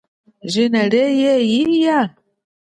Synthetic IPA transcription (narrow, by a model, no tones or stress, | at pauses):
ʒinaɾejejija